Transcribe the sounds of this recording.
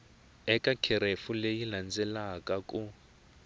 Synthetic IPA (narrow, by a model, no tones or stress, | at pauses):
ɛkʼakʰɛɾefulejiland͡zɛlakʼakʼu